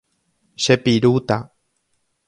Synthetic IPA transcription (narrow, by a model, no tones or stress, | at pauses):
ʃepiɾut̪a